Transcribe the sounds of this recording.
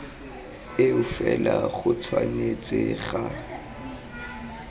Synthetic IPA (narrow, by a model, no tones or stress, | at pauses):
ɪʊfɛlaχʊt͡sʰwanet͡sʼɪɣa